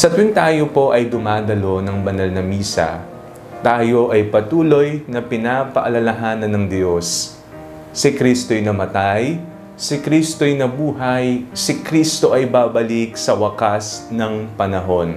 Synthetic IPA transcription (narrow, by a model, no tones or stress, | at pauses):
sɐt̪ɪnt̪aːjopo̞ʔɐjd̪ʊmaːd̪ɐlo̞nɐŋbɐnɐlnɐmiːsɐ̰ | t̪aːjo̞ʔɐjpɐt̪uːlo̞jnɐpɪnaːpɐʔɐlɐlɐɦaːnɐnːɐŋd̪jo̞sː | ɪkɾist̪o̞jnɐmɐt̪aj | sɪkɾist̪ojnɐbuːɦɐjsɪkɾiːst̪o̞ʔɐjbaːbɐlik̚sɐwɐkasnɐŋpɐnɐɦo̞n